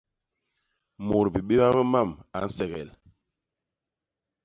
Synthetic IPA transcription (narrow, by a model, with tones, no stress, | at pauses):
mo˨ɾbi˨ɓe˦ba˦bɛ˦ma˦˨ma̰˨n̩˦sɛ˨ɣɛ̰˨l